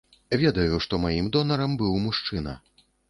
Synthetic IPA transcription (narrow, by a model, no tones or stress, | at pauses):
vʲɛd̪ɐjuʂt̪ɔmajimd̪ɔnɐɾɐmbɨwmuʂt͡ʂɨnɐ̰